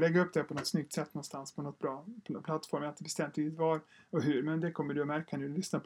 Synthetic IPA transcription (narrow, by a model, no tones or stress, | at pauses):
lɛɡːaɵpd̪ɛhæɾpʰɔnɔt̪ːsnʏk̚t̪sɛt̪ːnɔnst̪anspʰɔnɔt̪̚ːbɾɑːpʰpʰlat̪ːfɔɾmɛlt̪bɛst̪ɛmt̪iɪt̪vɑːɾɔɦʉɾmɛnd̪ɛkʰɔmːəɖɵɔmæɾkːʰand̪ɵlʏsnap